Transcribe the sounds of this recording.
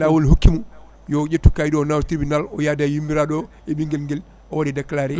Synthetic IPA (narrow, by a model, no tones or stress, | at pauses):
lawoliɦokːimu | jɔd͡ʒetːukajɗɔnawtɾibinalɔjadajimbiɾaɗɔ | ɛbiŋɡɛlŋɡɛl | ʔɔwadidakːalaɾɛ